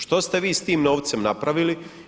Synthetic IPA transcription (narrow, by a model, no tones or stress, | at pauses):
ʃt̪o̞st̪e̞ʋiːst̪iːmno̞ːʋt̪semnapɾaʋili